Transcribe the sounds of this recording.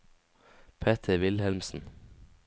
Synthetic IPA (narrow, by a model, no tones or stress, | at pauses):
pʰeːt̪ʰəʋɪlhɛlmsn̩